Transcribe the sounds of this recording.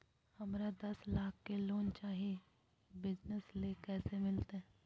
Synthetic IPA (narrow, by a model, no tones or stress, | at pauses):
hɐmɾad̪ɐslaːkʰkeloːnt͡ʃaːɦie | bɪd͡ʒnəsleːkɛːsemɪlt̪eɦ